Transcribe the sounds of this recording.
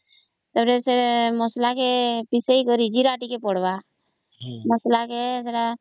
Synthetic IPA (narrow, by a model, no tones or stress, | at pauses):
t̪əbɾeseməslakepɪseikoɾid͡ʒiɾaːʈikepɔɽba | məslakeseɽa